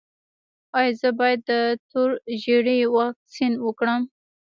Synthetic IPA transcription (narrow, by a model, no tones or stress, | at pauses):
ɑjzəbɑjad̪ːət̪oɾʒeɽiwɑxksinwəkɽəm